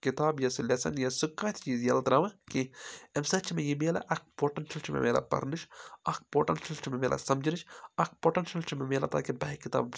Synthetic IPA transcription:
kit̪aːbjɐsulʲesɐ̰njɐsukːaːt̪ʰt͡ʃiːzjɐlt̪ɾɐʋɐ̃kiɐmsɐt͡ʃʰimejimeːlɐ̰ʔɐk̚poːʈɐnʃɐlt͡ʃʰimḛmḛːlɐ̰pɐ̰ɾnɨʃɐk̚poːʈɐnʃɐlt͡ʃʰimemeːlʔɐ̰sɐmd͡ʒinɨt͡ʃʰɐk̚poːʈɐnʃɐlt͡ʃʰimemeːlɐt̪a̰ːkibɐɦikit̪a̰ːb

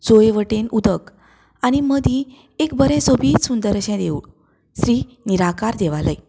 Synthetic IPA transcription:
t͡sojʋəʈenud̪ək | aɽ̃iməd̪ĩ | ekbəɾẽsobʱiːt̪sund̪əɾəɕɛ̃d̪eu | sɾiː | niɾakaɾd̪eʋaləj

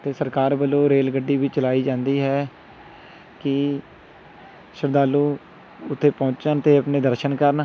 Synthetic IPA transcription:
t̪eːsəɾkaːɾbəloːɾeːlɡəɖːiːʋiːt͡ʃəlaːiːd͡ʒãːnd̪iːɦɛː | kɪ | ʃəɾd̪aːlːuː | ʊt̪ʰːeːpɔ̃ːt͡ʃənt̪eːəpneːd̪əɾʃənkəɾn

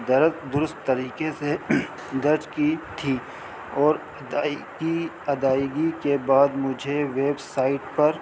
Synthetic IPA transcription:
d̪ɐɾd̪ʊɾʊst̪ːɐɾiːkese | d̪ɐɾt͡ʃkit̪ʰiː | ɔːɾ | i | ɐd̪aːɪɡikebaːd̪mʊd͡ʒʱeʋeːbsaːɪʈpɐɾ

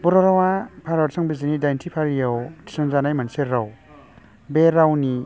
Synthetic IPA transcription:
buɾɔɾawapʰaɾaɾsʰɯŋbizinidajntʰipʰaɾijawtʰi̥sɯŋzanajmanseɾaw | beɾawni

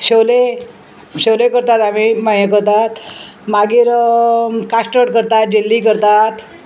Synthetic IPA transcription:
ɕele | ɕewlekəɾt̪at̪amimajjək̬əɾt̪at̪ | maɡiːɾ | kasʈəʈkəɾt̪at̪̚d͡ʑelːik̬əɾt̪at̪

